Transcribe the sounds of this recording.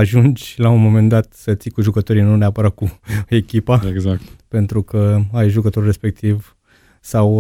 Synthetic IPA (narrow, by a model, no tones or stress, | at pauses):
aʒund͡ʒlaunmo̞me̞nd̪at̪sət̪sikuʒukət̪o̞ɾijnuneapəɾat̪̚kue̞kʲipaeɡzakt̪pe̞nt̪ɾukəajʒukət̪o̞rʲre̞spe̞k̚t̪iv | saw